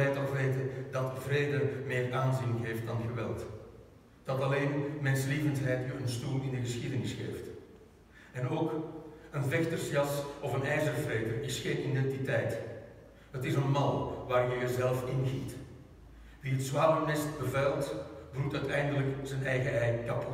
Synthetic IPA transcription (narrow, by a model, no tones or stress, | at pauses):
ɛjtɑlˠʋeːtəndɑtvreːdəmɪːraːnzinəɦeːft̚dɑnɣəʋɛ̰lˠt | d̥ɑtɑleːnmɛnslivəntɦɛjtəənstuːlˠɪndəɣəsxidənɪsxḛːft | ɛnoːkənvɛxtərsjɑsɔfənɛjzərvreːdərɪsxeːnidɛntitɛjt | ɦətɪsənmɑlˠʋaːrjəjəzɛlˠfɪnɣit | ʋiətsʋaːrəmɛst̚bəvɛlˠtbrutœɥtɛjndələkzənɛjɣəɛjkɑp